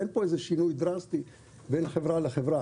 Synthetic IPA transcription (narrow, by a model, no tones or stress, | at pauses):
enpoezeʃinujd̪ɾast̪i | benχevʁaleχevʁa